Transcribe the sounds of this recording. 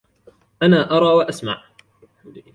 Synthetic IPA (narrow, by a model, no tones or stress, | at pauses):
ʔanaːʔɑɾˤɑːwaʔasma̰ʕ